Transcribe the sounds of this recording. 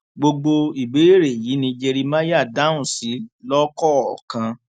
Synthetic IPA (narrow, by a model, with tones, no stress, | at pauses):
ɡ͡bo˧ɡ͡bo˧i˨be˨˦e˦˨ɾe˨ji˨˦nĩ˧d͡ʒe˧ɾi˧mã˦ja˦˨da˦ũ˨si˨˦lɔ˦kɔ˦ɔ˨kã˧